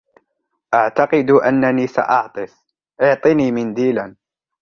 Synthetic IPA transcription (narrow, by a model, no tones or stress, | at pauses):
ʔɑʕt̪ɑqɨd̪ʔanːaniːsa̰ʔɑʕt̪ˤɨs | ʔʊʕt̪ˤɨniːmɪnd̪iːlan